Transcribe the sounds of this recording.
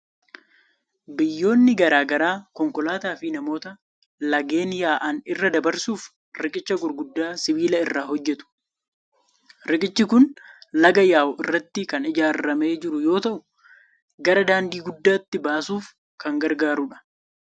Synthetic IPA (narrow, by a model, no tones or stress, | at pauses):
bɪjːo̞ːnːɪɡɐɾaːɡɐɾaːkɔŋkɔlaːt̪aːfɪnɐmo̞ːt̪ɐ | lɐɡe̞ːnjaːʔanɪrːɐd̪ɐbɐɾsuːf | ɾɪkʼɪt͡ʃːɐɡʊɾɡʊd̪ːaːsɪβiːlɐɪrːaːhɔd͡ʒːɛt̪ʊ̥ | ɾɪkʼɪt͡ʃːɪkʊnlɐɡɐjaːwʊʔɪrːɐt̪ːɪkɐnɪd͡ʒaːɾːɐme̞ːd͡ʒɪɾʊjo̞ːt̪ɐʔʊ | ɡɐɾɐd̪aːnd̪iːɡʊd̪ːaːt̪ːɪbaːsuːf | kɐŋɡɐɾɡaːɾʊᶑɐ̥